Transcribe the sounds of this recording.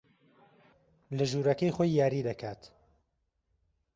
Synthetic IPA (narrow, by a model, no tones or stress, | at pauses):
lɐʒuːɾɐkɐjxojːaːɾiːd̪ɐkʰaːt̪